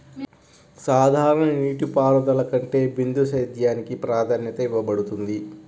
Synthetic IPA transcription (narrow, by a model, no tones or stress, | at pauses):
saːd̪ʱaːɾɐɳɐniːʈipaːɾɐd̪ɐlɐkɐɳʈe̞ːbind̪usɐjd̪jaːnikipɾaːd̪ʰʱɐnjɐt̪ɐiʋːɐbɐɽut̪und̪i